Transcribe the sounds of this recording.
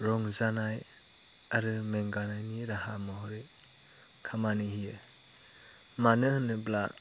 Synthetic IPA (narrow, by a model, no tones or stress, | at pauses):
ɾɔŋzanaj | aɾɯmeŋɡanajniɾaɦamɔɦɔɾe | kʰamanihijɯ | manɯhɯnɯbla̰